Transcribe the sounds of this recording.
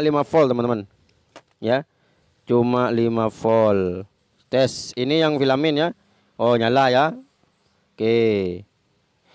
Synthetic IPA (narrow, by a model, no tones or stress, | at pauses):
limafɔlt̪əmənəman | ja | t͡ʃumalimafɔl | t̪ɛsinijaŋfilaminja | ɔɲalaja | ke